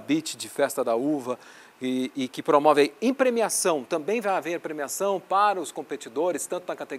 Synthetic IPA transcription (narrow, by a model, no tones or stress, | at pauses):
bit͡ʃɪd͡ʒɪfɛst̪ɐd̪ɐuvɐ | ɪkɪpɾomɔvɪaiẽpɾemiasɐ̃w̃t̪ɐ̃bẽj̃vajaveɾpɾemiasɐ̃w̃paɾɐʊskõpet͡ʃid̪oɾɪst̪ɐ̃nt̪ʊnɐkat̪eɡ